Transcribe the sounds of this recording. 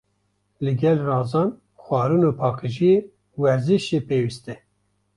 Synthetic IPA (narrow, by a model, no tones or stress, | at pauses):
lɨɡɛlrɑːzɑːn | xʷɑːɾunoːpʰɑːkɨʒije | wɛɾzɨʃepeːwist̪ɛ